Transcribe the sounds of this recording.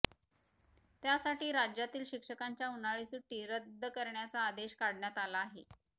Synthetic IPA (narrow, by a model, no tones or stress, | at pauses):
t̪jasaʈiːɾad͡ʑjat̪iːlɕikʂəkaɲt͡ɕjaunaɭisuʈːiːɾəd̪ʱːəkəɾɳjat͡saːd̪eɕkaɽɳjat̪alaːɦe